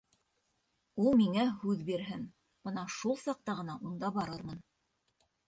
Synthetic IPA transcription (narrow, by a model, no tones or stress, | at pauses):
ulˠmiŋæhʉðbiɾɦɘn | b̥ɤnɑʃulˠsɑq̚t̪ɑʁɤ̆nɑʔund̪ɑbɑɾɤɾmɤn